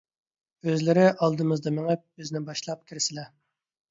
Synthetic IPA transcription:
øzlɪɾɪʔɑlˠd̪ɨmɨzd̪ɑmɪŋɪp̚øznɪbɑʃlˠɑp̚kʲʰiɾɪsɪlɛ

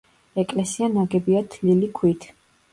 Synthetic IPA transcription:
ɛkʼlɛsianaɡɛbiad̪ʰlilikʰwit̪ʰ

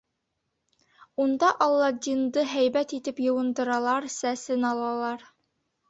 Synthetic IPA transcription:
und̪ɑʔɑlˠːɑd̪ʲind̪ɤɦæjbæt̪it̪ɘpjɤ̆wɤ̆nd̪ɤ̆ɾɑlˠɑɾsæsɘnɑlˠɑlˠɑɾ

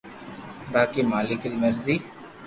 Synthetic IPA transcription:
baːkiːmaːlɪkɪlməɾziː

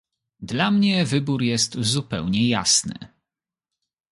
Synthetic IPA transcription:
d̪lamɲɛvɘbuɾjɛst̪zupɛ̰wɲɛja̰snɘ̰

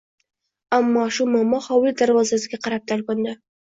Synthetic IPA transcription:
amːɒʃʊmamɒhɒwɪld̪aɾvɒzasɪɡʲaqɑɾap̚t̪ʰalkʊnd̪ɪ

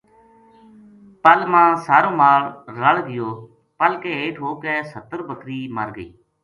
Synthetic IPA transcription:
pəlmãːsaːɾõːmaːɭːəɽɡɪjoː | pəlkeːeːʈʰɦoːkɛːsət̪əɾbəkɾiːməɾɡəḭː

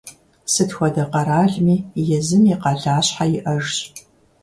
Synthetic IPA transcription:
sɨtxʷɔdɐqɐɾaːɮmiːjɛzɨmiqɑɮaːɕħajɪʔɐʐɕ

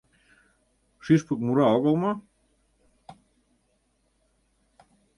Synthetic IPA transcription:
ʃiʃpə̆k̚muɾɑoɣɤlmɑ

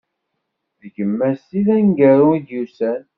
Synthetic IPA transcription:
ðɡəmːæsiðæŋɡəɾuid̪jusæn

